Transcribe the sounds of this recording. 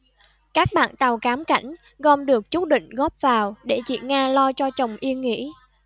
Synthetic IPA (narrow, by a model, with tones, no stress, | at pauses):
kaː˦˥k̚ɓa̰ː˧˨nt̪a˨˩wkaː˨˦mka̰˧˩jŋ̟ | ɣɔ˧mɗɨ˨˩ək̚t͡ɕu˦˥t̚ɗḭ˧˨ŋ̟ɣɔ˦˥p̚vaː˨˩wɗe˧˩t͡ɕḭ˧˨ŋaː˧lɔ˧t͡ɕɔ˧t͡ɕə˨˩wŋ͡mʔi˧ənŋḭ˧˥